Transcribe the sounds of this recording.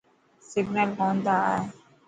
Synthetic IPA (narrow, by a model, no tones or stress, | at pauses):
sɪɡnəlkɔ̃ːnd̪a̰e